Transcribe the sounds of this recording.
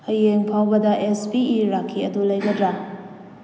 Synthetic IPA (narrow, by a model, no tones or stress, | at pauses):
ɐjːeŋpʰawbɐdɐʔespiiɾakʰːiɐdulɐjɡɐdɾa